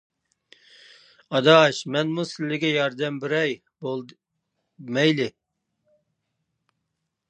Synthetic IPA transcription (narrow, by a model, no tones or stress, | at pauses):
ɑd̪ɑːʃmɛnmusɪlːɪɡʲɛjɑɾd̪ɛmbɪɾɛj | bolˠ | mɛjlɪ